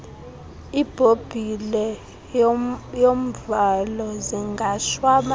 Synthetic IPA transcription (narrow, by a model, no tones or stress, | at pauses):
ib̥ʱob̥ʱilɛ | jom̩valɔziŋɡʱaʃwama